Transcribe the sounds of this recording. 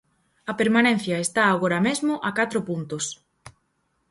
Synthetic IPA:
ɐpeɾmanẽn̟θjɐest̪aːɣoɾɐmezmʊʔakat̪ɾʊpunt̪ʊs

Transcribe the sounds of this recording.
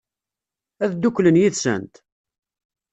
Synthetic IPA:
æðd̪ukːlənjiðsə̰nt̪

